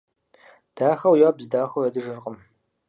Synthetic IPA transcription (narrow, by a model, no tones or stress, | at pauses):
d̥aːxɐwjɔːbzɨdaːxʷowɐdɨʒɨrqʼəm